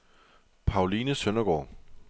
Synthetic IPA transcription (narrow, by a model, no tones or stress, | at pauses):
pʰɑ̈ʊliːnəsønɐɡ̥ɒ̰ː